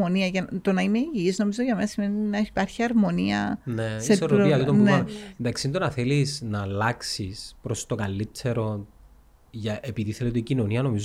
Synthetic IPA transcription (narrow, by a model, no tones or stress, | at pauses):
oniɐʝɐt̪onɐimeiʝiizno̞mizoʝɐmenɐsime̞ninɐipɐɾçiɐɾmo̞niɐ̰neeseoiɐt̪it̪ombuɐnend̪ɐksiind̪onɐθelisnɐlɐksispɾost̪okɐlːitʰːe̞ɾo̞ | ʝɐʔepiðiθeletoicinoniɐno̞miz